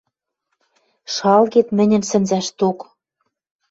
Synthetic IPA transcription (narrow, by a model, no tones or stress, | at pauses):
ʃɑlɣet̪mɘ̆nʲɘ̆nsɘ̆nzæʃt̪ok